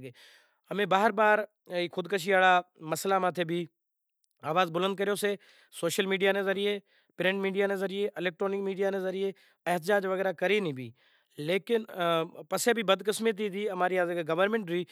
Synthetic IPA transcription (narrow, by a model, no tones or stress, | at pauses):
ɡe | ɐmẽːbaːɦəɾbaːɾ | ikʰʊd̪kəʃ̬ʰiʋaːɭamɐslamãːt̪ʰebʱi | aːʋaːzbʊlə̃nd̪̚kəɾijose | soːʃəlmiːɖijanezɐɾije | pɾẽːɳʈmiːɖijanezɐɾieʔɪleːk̚ʈɾoːnɪkmiːɖijanezɐɾɪje | ɪɦt̪ɪd͡ʒaːd͡ʒʋɐɣɛːɾakɐɾenĩːbʱḭː | leːkɪnpɐsebʱibɐd̪kɪsmẽt̪̬it̪iɐmaːɾiaːzəɡeɡɐʋəɾmẽɳʈɾiː